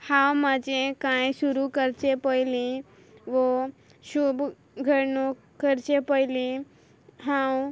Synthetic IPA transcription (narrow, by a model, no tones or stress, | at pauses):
hãːwmad͡ʒẽkãĩsuɾukəɾt͡ʃepəili | ʋo | ʃub | ɡʱəɾnũ | kəɾt͡ʃepəili | ɦãw